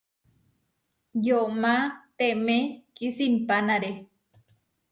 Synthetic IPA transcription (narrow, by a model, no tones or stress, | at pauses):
jomat̪emekisimpanaɾe